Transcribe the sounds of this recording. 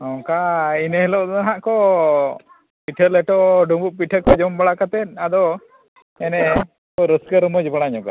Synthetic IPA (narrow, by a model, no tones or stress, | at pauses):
ɔŋkainəɦɛlɔʔd̪aɦaʔkɔ | piʈʰəlɛʈɔɖubuʔ̚piʈʰəkɔd͡ʒɔmbaɽakat̪ɛn̚ˀad̪ɔ | ɛnɛ | kɔɾəskəɾmɔd͡ʒbaɽaɲɔka̰